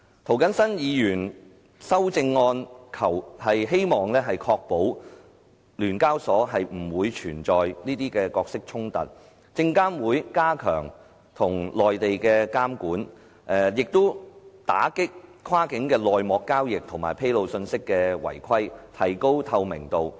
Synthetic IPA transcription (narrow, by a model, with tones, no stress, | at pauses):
t̪ʰo˨˩wkɐ˨˥nsɐ˥njiː˨˧jyː˨˩n | sɐ˥wt͡sɪ˧ŋːɔː˧nkʰɐ˨˩whɐ˨jɦe˥jmɔː˨ŋlɛː˥ɦɐ˨jkʰɔː˧k̚po˨˥w | lyː˨˩nkaː˥wsɔː˨˥ɦɐ˨jm̩˨˩wuː˨˧jt͡ʃʰyː˨˩nt͡sɔː˨jniː˥t̪iː˥kɛː˧kɔː˧ksɪ˥k̚t͡ʃʰʊ˥ŋt̪ɐ̰˨t̚ | t͡sɪ˧ŋkaː˥nwuː˨˧jkaː˥kʰœ̰ː˨˩ŋ | t̪ʰʊ˨˩ŋlɔː˨jt̪e˨jkɛː˧kaː˥mkuː˨˥n | ʔɛ˨jɪ˨k̚t̪o˥wt̪a̰ː˨˥kɪ˥k̚kʰwaː˥kɪ˨˥ŋkɛː˧lɔː˨jmɔː˨˧kːaː˥wjɪ˨k̚t̪ʰʊ˨˩ŋma̰ː˨˩jpʰe˥jlo˨˧wsɵ˧nsɪ˥kːɛː˧wɐ̰˨˩jkʰɐ˥jt̪ʰɐ˨˩jko˥wt̪ʰɐ˧wmɪ̰˨˩ŋt̪o˨w